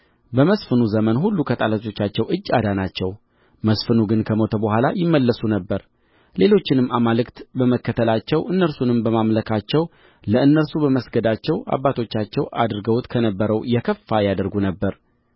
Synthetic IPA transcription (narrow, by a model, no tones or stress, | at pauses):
bəməsfɨnuzəmənhulːukʰət̪ʼalat͡ʃʼo̞t͡ʃːat͡ʃːɛwʔɨd͡ʒːa̰d̪anat͡ʃːɛw | məsfɨnuɡɨnkʰəmo̞t̪ʰəbəhʷalajɪmːəlːəsunəbːəɾ | le̞lo̞t͡ʃːɪnɨmːamalɨkt̪bəməkːət̪ʰəlat͡ʃːɛwʔɨnːəɾsunɨmbəmamləkʰat͡ʃːɛw | ləɨnːəɾsubəməsɡəd̪at͡ʃːɛwʔa̰bːat̪ʰo̞t͡ʃːat͡ʃːɛwʔa̰d̪ɾɡəwt̪kʰənəbːəɾəwjɛkʰəfːajad̪əɾɡunəbːəɾ